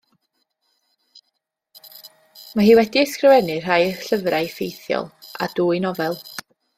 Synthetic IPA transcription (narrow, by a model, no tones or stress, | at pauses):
maɦiːwɛdiskrɪvɛnɨr̥ajəɬəvraɨfejθjɔ̰lˠa̰d̥uːjnɔvɛlˠ